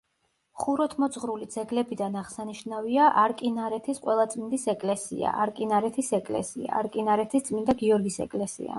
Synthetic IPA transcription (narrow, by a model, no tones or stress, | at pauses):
χuɾɔt̪ʰmɔt̪sʼχɾulid̪zɛɡlɛbid̪anaʁsaniʃnaviaʔaɾkʼinaɾɛt̪ʰisqʼwɛlˠat̪sʼmind̪isɛkʼlɛsḭa̰ʔaɾkʼinaɾɛt̪ʰisɛkʼlɛ̰sia̰aɾkʼinaɾɛt̪ʰist̪sʼmind̪aɡiɔɾɡisɛ̰kʼlɛsḭa̰